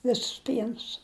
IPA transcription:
ˈʋʲɪsʊs ˈpʲiɛnʊs

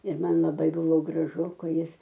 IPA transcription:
ɪr ˈmɐn lˠɐˈbɐɪ ˈbʊʋoː ɡrɐˈʒʊ ˈkɐɪ ˈjɪs

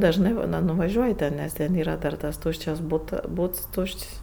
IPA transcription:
dɐʒˈnɜ ˈbuːnɐ nʊʋɐˈʒʲuɔjɪ tʲɛn ˈnʲɛs tʲɛn ˈiːrɐ dɐr tɐs ˈtuːʃʲt͡ʃʲɛs ˈbuːtɐ ˈbuːts ˈtuːʃʲt͡ʃʲsʲ

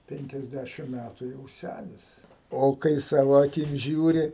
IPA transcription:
ˌpʲɛŋʲkʲɛzʲˈdʲæʃʲɪm ˈmʲætʊ jɛʊ ˈsʲænʲɪs ˈoː kɐɪ ˈsɑːʋoː ɐˈkʲɪm ˈʒʲuːrʲɪ

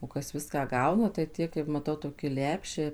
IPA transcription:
oː ˈkɐs ˈʋʲɪskɑː ˈɡɐʊnɐ tɐɪ ˈtʲiɛ kɐɪp mɐˈtɐʊ toːkʲɪ ˈlʲæːpʲʃʲɛɪ

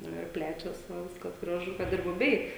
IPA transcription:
ˈnʊ ɪr ˈpʲlʲæːt͡ʃʲɛs ʋɐ ˈʋʲɪskɐs ɡrɐˈʒʊ ˈkɐt ɪr bʊˈbʲɛɪ

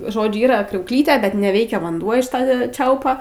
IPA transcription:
ˈʒoːd͡ʒʲʊ ˈiːrɐ krʲɛʊkˈlʲiːtʲeː bʲɛt nʲɛˈʋʲɛɪkʲɛ ʋɐnˈduɔ ɪʃ ˈtɐ ˈt͡ʃʲɛʊpɐ

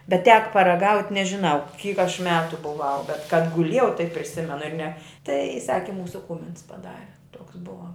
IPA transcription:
bʲɛt tʲɛk pɐrɐˈɡɐʊtʲ nʲɛʒʲɪˈnɐʊ kʲiːk ɐʃ ˈmʲæːtʊ bʊˈʋɐʊ bʲɛt kɐt kɐt ɡʊˈlʲeːjɛʊ tɐɪp pʲrʲɪˈsʲɪmʲɛnʊ ɪr nʲɛ tɐɪ ˈsɑːkʲɪ ˈmuːsʊ ˈkuːmʲɪns pɐˈdɑːrʲɛ toːks ˈbʊʋɐ

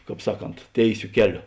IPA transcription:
ˈkɑːp ˈsɑːˌkoːnt ˈtʲeːɪˌsʲoː ˈkʲæːˌlʲoː

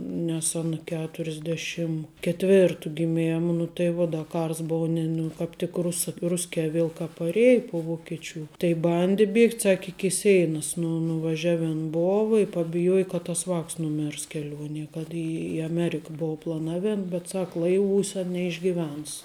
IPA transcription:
nʲɛs ˈɑːnɐ ˈkʲæːtʊrʲɪzʲˌdʲeːʃʲɪm kʲɛtʲˈʋʲeːrtʊ ɡʲɪˈmʲeːmɐ nʊ tɐɪ ˈʋuɔ ˈdɐ ˈkɐrs ˈboːʊ nʲɪ ˈnʊ kɑːp ˈtʲɪk ˈrʊsɐ ˈrʊsʲkʲɛː ˈʋʲiɛlˠ kɐ pɐˈrʲiɛj pʊ ʋoːkʲɪˈt͡ʃʲuː tɐɪ ˈbɐnʲdʲɪ ˈbʲiɛktʲ ˈsɑːkʲɪ ɪkʲɪ ˈsʲɛɪnɐs nʊ nʊʋɐˈʒʲæːʋʲɪn ˈboːʋɐ ɪ pɐbʲɪˈjuɔjɪ kɐ tɐs ˈʋɑːks nʊˈmʲɪrs kʲɛˈlʲuɔnʲiɛ kɐt ɪ ɪ ɐˈmʲæːrʲɪkɐ ˈbʊʋɐ plˠɐˈnɑːʋʲeːn bʲɛt ˈsɐk ˈlˠɐɪˌʋuːsʲɛ nʲɛɪʒʲɡʲɪˈʋʲɛns

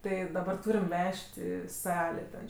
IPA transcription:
ˈtɜ dɐˈbɐr ˈtuːrʲɛm ˈʋʲɛʃʲtʲ ɪ ˈsɑːlʲeː tʲɛn

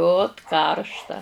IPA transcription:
ˈoːt ˈkɐrʃtɐ

